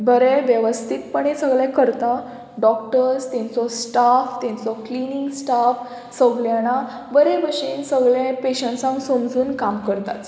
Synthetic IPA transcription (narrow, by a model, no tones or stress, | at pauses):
bəɾeʋjəʋəst̪ʰit̪pəɳesəɡɭjãkəɾt̪a | ɖɔk̚ʈəɾst̪ɛ̃nt͡sɔsʈaft̪ɛ̃nt͡sɔkliniŋɡsʈaf | səɡɭjaña | bəɾebəɕinsəɡɭjẽpeɕəɳʈsãŋksomd͡zuːnkamkəɾt̪a̰t͡s